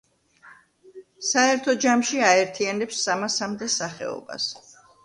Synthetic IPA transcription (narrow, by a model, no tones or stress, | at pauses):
saɛɾt̪ʰɔd͡ʒamʃiaɛɾt̪ʰianɛpsːamasamd̪ɛsaχɛ̰ɔ̰ba̰s